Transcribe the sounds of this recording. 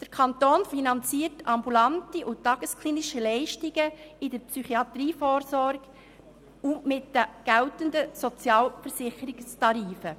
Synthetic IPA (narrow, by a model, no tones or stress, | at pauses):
d̥əɾkʰɑntoːnfinɑnt͡siːərtɑmbulɑntiʔʊtːɑɡ̥əskliːniʃəlɛɪʃtiɡ̥əɪdəɾpsyχiɑt̪ɾiːfɔːɾsɔɾɡ | ʊmɪtdəɡ̥ɛltəndəsot͡sjɑːlfəɾsɪχəɾɪkstɑɾiːfə